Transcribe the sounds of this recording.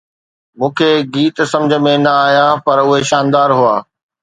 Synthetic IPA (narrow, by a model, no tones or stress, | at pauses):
mũːkʰeɡiːt̪sɐ̃md͡ʑʱə̆mẽnɐaːɦjapɐɾʊɦeʃaːnd̪aːɾɦuaː